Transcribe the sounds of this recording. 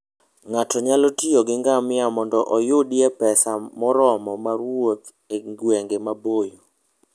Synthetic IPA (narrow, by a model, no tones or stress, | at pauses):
ŋatɔɲalɔtioɡɪŋɡamɪamɔndɔʔɔjʊdjɛpɛsamɔɾɔmɔmaɾwot̪ | eŋɡweŋɡemabojo